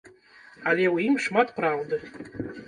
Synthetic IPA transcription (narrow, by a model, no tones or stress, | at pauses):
alʲewiimʂmatʰʼpʰraldɨ